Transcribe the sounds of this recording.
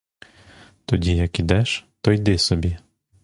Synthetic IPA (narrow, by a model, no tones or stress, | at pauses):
t̪ɔdʲijɐkid̪ɛʃt̪ɔjd̪ɪsɔbʲi